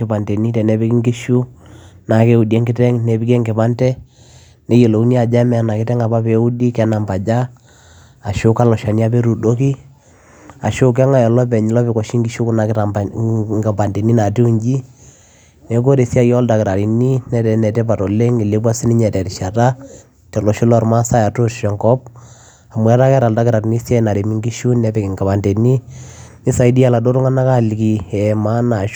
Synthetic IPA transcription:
kɪ˨pa˨ndɛ˨ni˦tɛ˨nɛ˨˦bi˦ki˦ŋɡi˦ʃu˦na˨ke˦u˨dɛ˦ŋɡɪ˦tɛ˦ŋnɛ˨bi˦kɛ˦ŋɡɪ˨pa˦ntɛ˦ | nɛ˨je˨lo˨u˦ni˦a˨d͡ʒa˦mɛ˦a˨na˨kɪ˦tɛ˦ŋa˨pa˦pe˨˦u˦di˦kɛ˦na˨mba˨d͡ʒa˦ | a˨ʃʊ˦ka˦lɔ˨ʃa˨ni˦a˦pe˦ɾu˨do˦ki˦ | a˨ʃʊ˦k̬ɛ˦ŋa˦jɔ˨lɔ˦pɛ˨ɲɪ˨lɔ˦pɛ˨kɔ˨ʃi˦ŋɡi˦ʃu˦kʊ˦na˨ka˨ŋɡa˨ba˨nde˨ni˦na˨ti˦u˨ɲd͡ʒi˦ | nɛ˨˦k̬o˦ɾe˨sja˦jɔ˦lda˨kɪ˨ɾa˨ɾi˨ni˦nɛ˨dɛ˨nɛ˨tɛ˦pa˨tɔ˨le˦ŋɪ˨le˦bwa˦si˦ni˦ɲɛ˨tɛ˨tɪ˨ʃa˨ta˦ | tɛ˨lɔ˨ʃʊ˦lɔ˦ɾma˦sa˦ja˨to˦tʃɔ˨ŋɡɔ˦p̚ | a˨mwɛ˦ta˦kɛ˦ɾa˨lda˦kɪ˨ɾa˨ɾni˦sja˦na˨ɾe˨mi˦ŋɡi˦ʃu˦nɛ˦pɛ˨kɪ˨ŋɡa˨pa˨ndɛ˨ni˦ni˦sa˨i˦di˦a˨la˨do˦ɾʊ˦ŋa˦na˦ka˦li˨ki˨ɛ˨ma˦na˨ʃ

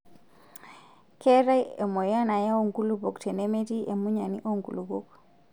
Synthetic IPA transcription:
kʰe˦ɾa˦je˨mo˨ja˦na˨ja˦o˦ŋɡu˦lubo˨kte˨ne˦me˦ti˦ʔe˨mu˦ɲa˨nḭ˦ʔo˦ŋɡu˨lu˨ɡo˦k̚

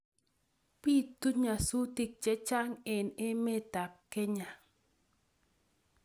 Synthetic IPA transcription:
pi˦tu˦ɲa˨su˦ti˦˨k̚t͡ʃɛ˦t͡ʃa˦ŋɪ˨nɪ˦mɪ˦ta˨kkːɛ˦ɲa˨

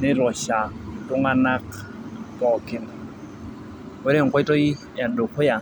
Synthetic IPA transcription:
nɪ˦ɾɔ˨ʃa˨tʊ˦ŋa˦na˦k | pɔ˨kɪ˨n˨ | wɛ˦ɾɛ˦˨ŋ˨kɔ˦ɪ˦tɔ˦i˦ | ja˨do˨kɔ˦ja˨

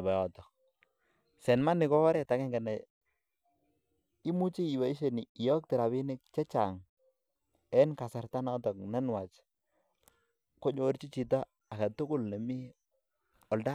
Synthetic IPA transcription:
ba˨jɔ˨tɔ˨ | sɛ˨nma˦nɪ˨kɔ˦ɔ˦ɾɛ˦˨ta˨kɛ˦ŋɡa˨nɛ˨ | i˦mu˦t͡ʃi˦i˨wa˨i˦ʃe˨ni˨ɪ˨jɔ˦k̚tɪ˨ɾa˨βɪ˦nɪ˦k̚t͡ʃɛ˦t͡ʃa˨ŋ | ɛ˦nka˨sa˨ɾta˦nɔ˦tɔ˨knɛ˦nwa˨t͡ʃ | kɔ˦ɲo˨˦ɾt͡ʃi˦t͡ʃi˨t̬aː˦˨ | ka˨tʊ˦kʊ˦lne˨mi˦ | ɔ˨lda˦

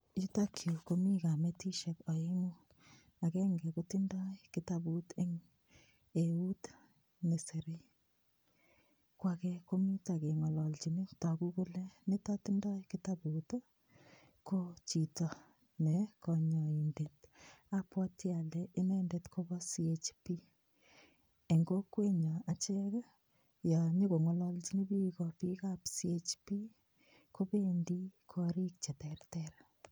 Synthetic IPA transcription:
ju˦ta˦kʰjo˨ko˨mi˦ka˨me˦ti˦ʃɛ˨kɔ˨i˦ŋu˦ | a˨kɛ˦ŋɡɛ˨koti˦ndɔ˦kɪ˦tabu˦te˦ŋ | e˨u˦t | ne˨se˨ɾi˦ | kwa˨kɛ˦ko˦mju˦ta˨ke˨ŋɔ˨lɔ˨lt͡ʃi˨ni˦ta˨ku˦ku˦lɛ˦ne˦tɔ˦ti˦ndɔ˦jkɪ˦ta˦bu˨tɔ˦ | ko˦t͡ʃi˨tɔ | nɛkɔɲɔ˨i˨nde˨tapwɔ˦ta˨lɛʔɪ˦nɛ˦ndetko˦bɔ˦siet͡ʃpi˦ | e˨ŋɡo˦kwe˦ɲɔ˨a˨t͡ʃɛ˦k | ja˨ɲo˦ko˨ŋɔ˨lɔ˦lt͡ʃi˦ni˦pi˦kɔ˨pi˦kapsiet͡ʃpi˦ | ko˦pendi˦kʰɔɾi˦k̚t͡ʃɛ˨tɛrtɛɾ

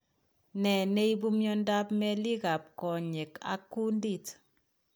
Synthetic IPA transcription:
nɛ˨ne˦i˦bu˦mjɔ˦nda˦pmɛ˦li˦ɣa˨p̚kɔ˨ɲe˨ka̰˦kːu˦ndi˦˨t

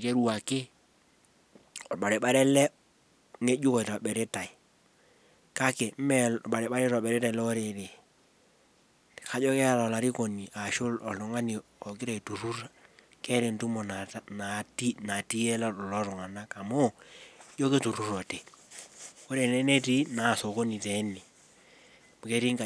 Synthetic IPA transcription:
ke˦ɾu˦wa˨ke˦ | ɔ˨ɓa˨ɾe˨ɓa˦ɾɛ˦lɛ˦ | ŋe˦d͡ʒu˦kɔ˨i˨ɾɔ˨ɓɛ˨ɾe˦ta˨i˨ | ka˦ke˨m̩˦mɛ˦ɓa˨ɾe˨ɓa˦ɾe˦ɾɔ˨ɓɛ˨ɾe˦ta˨lɔ˦ɔ˦ɾe˨ɾe˨ | ka˨˦d͡ʒɔ˦kɛ˦a˨lɔ˨la˨ɾi˦kɔ˨ni˨a˨ʃo˦lɔ˨lɔ˨ŋa˦ni˨ | ɔ˨kɪ˦ɾɛ˨i˨tu˨ɾu˦ɾa˦ | kɛ˦ɾe˨ntu˦mɔ˨na˨˦na˨ti˦na˨ti˦ɛ˦la˦ɔ˨lɔ˦ɾɔ˨ŋa˨na˦ka˨mo˦d͡ʒɔ˦ke˦tu˨ɾu˦ɾɔ˨te˨ | ko˦ɾe˨nɛ˦nɛ˦ti˦na˨so˨ko˦ni˨tɛ˨˦ni˨ | mu˨kɛ˦ɾi˦ŋka˨

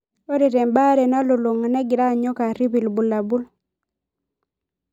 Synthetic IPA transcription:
o˦ɾe˨ɾɛ˨mba˦ɾe˨na˦lo˨lo˨ŋa˨nɛ˦ɡɪ˨ɾa˦˨ɲɔ˦ka˨ɾi˦bi˨lbu˨la˨bu˦l

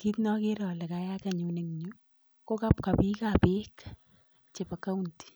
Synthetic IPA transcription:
ki˦tnɔ˦ke˦ɾɔ˨lɛ˨ka˦ja˦ka˨ɲu˨ne˨ŋɲu˦ | ko˦ka˦pka˨pi˦kapek | t͡ʃe˨pa˨ka˦u˦nti̥˨

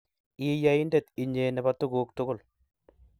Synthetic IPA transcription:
i˦ja˦i˦nde˦˨t̪i˨ɲe˨nɛ˨ba˨t̪ʊ˦ɡu˨˦k̚tʊ˦ɡʊ˦˨l

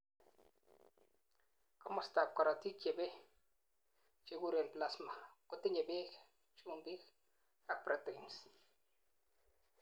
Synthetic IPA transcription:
ko˦mo˦st̪a˨p̚ka˨ɾa˨t̪i˦kje˨be˦ | t͡ʃe˧ɡu˦ɾe˨npla˦sma˨ko˨t̪i˦ɲe˨be˦k | t͡ʃu˦mbi˦k | a˦˨k̚pɾa˨t̪e˨ns

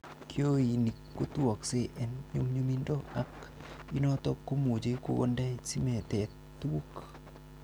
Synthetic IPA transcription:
kʰjo˦i˨ni˨kːo˦tu˦ɔ˨kse˦ʔɛ˨nɲo˦mɲu˦mi˦ndo˦a˨ki˦nɔ˦tɔ˦kːo˦mo˨d͡ʒe˦ko̰˦ɡo̰˦nda˦si˦mɛ˨tɛ˨ | tːu˦u˦k

